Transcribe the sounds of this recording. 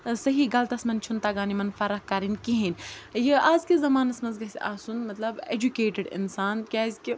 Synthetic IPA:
sɐɦiɡɐlt̪ɐsmɐnt͡ʃʰunt̪aɡaːnimɐnfɐɾɐhkɐɾinkiɦinjɐaːzkezɐmaːnɐsmɐnzɡɐsʲaːsunmɐt̪lɐbḛd͡ʒukeːʈɪɖɪ̰nsaːnkʲaːzʲki

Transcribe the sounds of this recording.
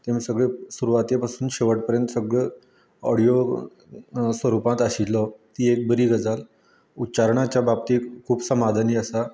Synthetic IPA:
t̪emisəɡɭesuɾuʋat̪jepasuːnɕeʋəʈ̚pəɾjənt̪səɡɭe | ɔ̰ɽijo | sʋəɾupãt̪aɕilːɔt̪iːek̚bəɾiːɡəd͡zal | ut͡ɕaɾɳat͡ɕjabab̚t̪iːkʰuːbsəmad̪ʱaniːəsa

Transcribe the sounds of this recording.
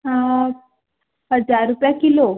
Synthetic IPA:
ɦã | ɦəd͡zaɾːupjakilo

